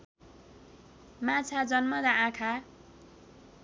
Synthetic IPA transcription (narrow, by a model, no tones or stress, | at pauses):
mat͡sʰad͡zʌnmʌd̪aãkʰa